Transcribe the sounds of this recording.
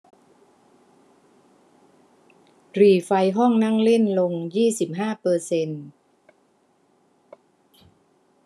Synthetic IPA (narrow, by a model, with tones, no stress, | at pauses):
ɾiː˨˩fa˧jɦɔ˥˩ŋna˥˩ŋle˥˩nlo˧ŋjiː˥˩si˨˩p̚ɦaː˥˩pɤː˧se˧n